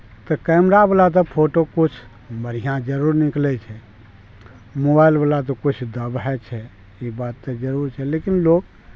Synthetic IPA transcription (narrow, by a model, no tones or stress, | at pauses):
t̪ɔkɛmɾabəlat̪̬ɔpʰoʈokut͡ʃʰ | məɾ̤ijãd͡ʒəɾuɾniklɛt͡ʃʰɛ | mobajlbəlat̪̬ɔkut͡ʃʰd̪əbɦɛt͡ʃʰɛ | ibat̪ːəd͡ʒəɾuɾt͡ʃʰɛlekinloɡ